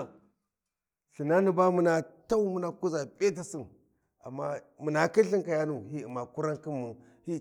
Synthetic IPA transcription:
ɬi˨na˦ni˨ba˦mu˦na˦ta˦u˦mu˦na˦ku˦za˨pe˦t̬a˦si˦n | a̰˨mːa˦mu˨na˨ki˦ɬi˦ŋka˨ja˦nu˨ɦi˦˨ma˨ku˦ɾa˦ŋki˦mːu˨ | hi˦

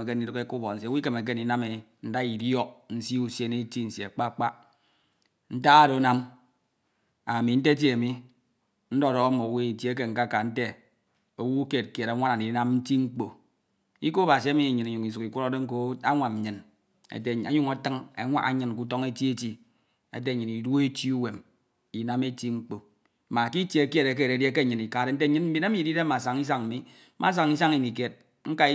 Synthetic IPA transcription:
e˨ke˦n˨i˨do˦ke˦ku˦bɔ˨n̩˨swi˦ke˨me˨k̬e˦n˨i˨˦na˦me˨˦n̩˦da˦i˨djɔ˦n̩˦si˦u˦sje˦ne˦ti˦n̩˨sa˨k͡pa˦˨k͡pa˦ | n̩˦ta˦ɣa˦˨ɾo˨˦na˦m | a˨mi˨n̩˦te˦t̬i˦e˨mi˦ | n̩˦dɔ˦˨dɔ˦ɣa˦mo˨wi˦˨tje˨˦e˦k̬e˦ŋ̩˨ka˦˨ka˨n̩˦te˦ | o˨wu˦ke˨t̚ke˨ɾa˨˦ŋʷa˦na˨n˨i˨˦a˦m˦n̩˦ti˦ŋ͡m̩˦k͡po˨ | i˦ko˦a˦ba˨s̬i˨˦a˦mi˨ɲɨ˨ne˨ɲu˨ŋi˨s̬u˨ki˨kʷɔ˦ɾo˦de˦ŋ̩˦ko˦a˦ŋʷa˨m˨ɲɨ˨n | ḛ˨te˦˨a˨˦ɲu˦ŋa˨tɨ˦ŋḛ˨ŋʷa̰˦ka̰˨ɲɨ˨n˨ku˦to˦ŋe˦ti˦e˦ti˦ | ḛ˨t̬e˦˨ɲɨ˨ni˨du˦e˦ti˦u˦we˨m | i˨na˦me˦ti˦ŋ͡m̩˦k͡po˨ | ma˨ki˦tjkje˦ɾe˨ke˦˨ɾe˨di˦e˦ke˦˨ɲɨ˨ni˨ka˦ɾe˦n̩˦t̬e˦ɲɨ˦nm̩˦bi˦ne˦mi˨di˦de˦ma˨sa˨ŋi˦s̬a˦ŋm̩˨mi˦ | ma˦s̬a˨ŋi˦s̬a˦ŋi˨ni˨k̬e˨t̚ | ŋ̩˦ka˦i˦

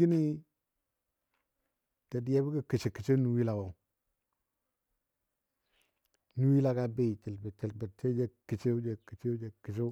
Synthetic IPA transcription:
i˦ni˦ | d̥a˨di˨˦ja˦bi˦ɡə˨ki˨t͡ʃi˨kːi˨t͡ʃe˦nu˨˦wi˦la˨wo˨ | nu˦wi˦la˦ka˦be˦˨t͡ʃi˨lbə˨t͡ʃi˨lbə˨t͡ʃe˦d͡ʒe˨kːi˨t͡ʃe˦d͡ʒe˨ki˨t͡ʃe˦d͡ʒe˨kːi˨t͡ʃe˦

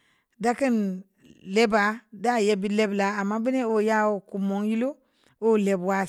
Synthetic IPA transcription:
da˦ki˦n | le˦ba˨da˦˨je˦bi˦le˦bla˨a˨mːa˦bi˦ne˦o˦˨ja˦wo˨ku˨mo˨ŋji˦lo˦ | o˦˨le˨bwa˦

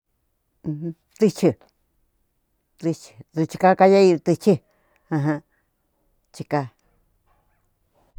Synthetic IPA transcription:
t̪i˦t͡ʃi˧ | t̪i˧t͡ʃi̥˧ti˧t͡ʃi̥˧ka˦˧ka˧ja˦i˧t̪i˧t͡ʃi˦ | ã˧ɦã˧ | t͡ʃi˧ka˧

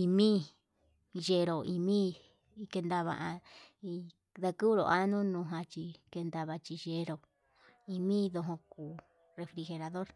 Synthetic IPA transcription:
i˧mĩ˦ | ʒe˧ɾo˨i˧mĩ˦ | i˧ke˧nd̪a˧βa̰˧˨ʔã˧i˧ | ða˧ku˦ɾo̰˨ʔa˦nũ˦nũ˧ɦã˧t͡ʃi˧ke˧nd̪a˧βa˧t͡ʃi˧ʒe˧ɾo˨ | i˧mĩ˦ðo˧ɦõ˧kuː˨ | re˧fɾi˧xe˧ɾa˨ðo˦ɾ

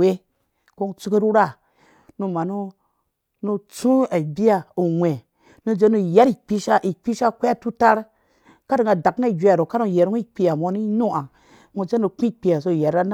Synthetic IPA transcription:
we˦ | ko˦ŋ˨t͡su˦ke˦ɾu˦ɾa˦˨ | nu˨ma˨nu˦ | nu˦t͡su˦a˨bi˦ja˦u˨ŋʷe˨ | nu˦d͡ʒe˦nu˧ja˦ɾi˨k͡pi˦ʃa˦ʔi˨k͡pi˦ʃa˦kʷa˦tu˦ta˦ɾ | ka˦di˨ŋɡa˨da˨kna˦˨ɡi˨˦a˨ɾo˨ka˦du˦ŋ˨je˨ɾu˦i˦˨k͡pi˨ja˨mo˦nu˦nu˦ʔa˨ | ŋu˨d͡ʒe˦nu˨k͡pĩ˦k͡pi˨ja˨so˦˨ja˨ɾa˦n˦

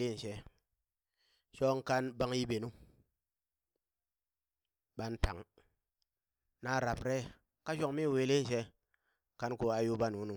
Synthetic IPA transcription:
e˦˨n˨ʃe˦ | ʃo˦ŋka˦nba˦ŋji˦be˨nu˦ | ɓa˦nta̰˨ŋ | na˦ɾa˨pɾe˦ | ka˦ʃ̬o˦ŋmi˦˨we˨˦le˦n˨ʃ̬e˦ | ka˦nko˨a˨ju˦ba˦nu˨˦nu˨

